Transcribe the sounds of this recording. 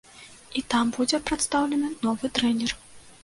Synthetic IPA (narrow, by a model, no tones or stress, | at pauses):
it̪ambud͡zʲɛpɾat̪st̪awlʲɛnɨnɔvɨt̪ɾɛnʲɛr